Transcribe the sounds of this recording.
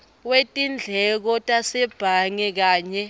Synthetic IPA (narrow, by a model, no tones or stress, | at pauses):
wetʼind͡ɮʱɛk̬ɔtʼasɛb̥ʱaŋɛk̬aːɲɛ